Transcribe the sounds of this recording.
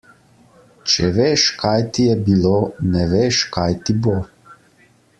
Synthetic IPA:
t͡ʃɛʋeːʃkʰajt̪ijɛbilonɛʋeʃkajt̪ibo

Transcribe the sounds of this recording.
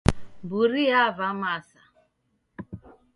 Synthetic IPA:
mbuɾiavamasa

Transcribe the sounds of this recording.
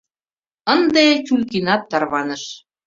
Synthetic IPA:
ənd̪et͡ɕulkinɑt̪ːɑrβɑnə̆ʃ

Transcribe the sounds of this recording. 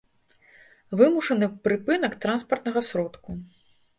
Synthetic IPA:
vɨmuʂɐnɨpɾɨpɨn̪ɐkt̪ɾanspɐrt̪̚nɐɣɐsɾɔt̪ku

